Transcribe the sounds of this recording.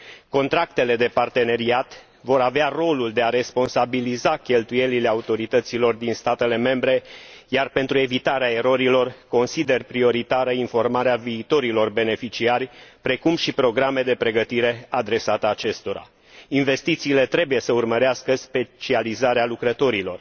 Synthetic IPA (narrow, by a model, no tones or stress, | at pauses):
ko̞nt̪ɾak̚t̪e̞le̞d̪e̞part̪e̞ne̞ɾiat̪ | vo̞ɾavearo̞luld̪e̞aɾe̞spo̞nsabilizakʲe̞lt̪uje̞lile̞aut̪o̞ɾit̪ət̪silo̞rd̪inst̪at̪e̞le̞me̞mbɾe̞jarpe̞nt̪ɾue̞vit̪aɾeae̞ɾo̞ɾilo̞rko̞nsid̪e̞rpɾio̞ɾit̪aɾəinfo̞rmaɾeaviːt̪o̞ɾilo̞rbe̞ne̞fit͡ʃiarʲpɾe̞kumʃipɾo̞ɡɾame̞d̪e̞pɾe̞ɡət̪iɾe̞ad̪ɾe̞sat̪əat͡ʃe̞st̪o̞ɾa̰ | inve̞st̪it̪siːle̞t̪ɾe̞buje̞səurməɾeaskəspe̞t͡ʃializaɾealukɾət̪o̞ɾilo̞r